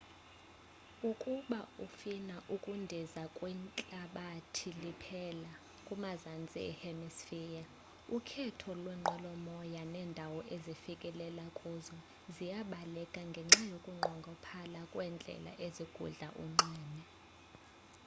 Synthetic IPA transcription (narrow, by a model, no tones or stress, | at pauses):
ukʼuɓaufinaʔukʼundʱizakʼwɛnt͡ɬʼaɓatʰilipʰɛla | kʼumazant͡sʼḭɛ̰hɛmisfija | ukʰɛtʰɔlwɛŋ͡ǃʱɔlɔmɔjanɛndʱawɔʔezifikʼɛlɛlakʼuzɔ | zijaɓalɛkʼaŋɡʱɛŋ͡ǁajokʼuŋ͡ǃʱɔŋɡʱɔpʰalakʼwɛnd͡ɮʱɛ̰la̰ʔeziɡ̥ʱṵɮa̰ʔṵŋ͡ǀɛːnɛ